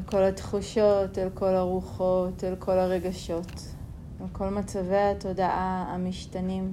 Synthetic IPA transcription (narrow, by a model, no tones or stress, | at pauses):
ko̞latχuʃotelko̞laʁuχotelkʰo̞laʁe̞ɡaʃo̞t | alko̞lmat͡saveato̞daʔaamiʃtanim